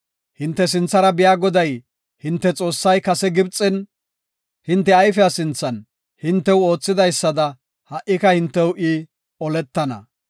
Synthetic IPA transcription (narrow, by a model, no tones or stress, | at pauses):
hɪnt̪ːɛs̬ɪnt͡sːɐɾɐbɪjaːɡɔd̪ɐj | hɪnt̪ːɛt͡sʼo̞ːsːɐjkɐsɛɡɪbt͡sʼːɛn | hɪnt̪ːɛɐjfɛasɪnt͡sːɐn | hɪnt̪ːɛwo̞ːt͡sːɪd̪ɐjsːɐd̪ɐ | hɐʔːɪkɐhɪnt̪ːɛwʔɪ | ɔlɛt̪ːɐnɐ̰